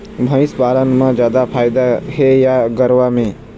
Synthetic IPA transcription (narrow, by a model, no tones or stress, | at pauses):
bʱə̃ɪsbaːlənmãd͡ʒjaːd̪apʰaːjd̪aɦɛjaɡəɾʋamẽː